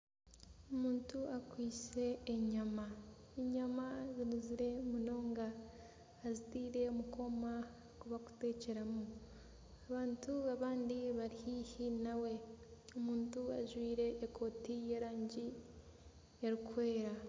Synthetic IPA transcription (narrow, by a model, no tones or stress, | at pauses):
omuːntuʔakwiːse̞ːɲama | eɲamazinuziɾe̞muno̞ːŋɡaː | zitiːɾe̞omuko̞ma | kuβaku̥te̞ːce̞ɾamu | aβaːntuaβaːndiβaɾihihinawe̞omuːntua̰ʒwiːɾe̞ʔːkʰo̞ːtije̞ɾaːɲɟi | eɾikwe̞ːɾa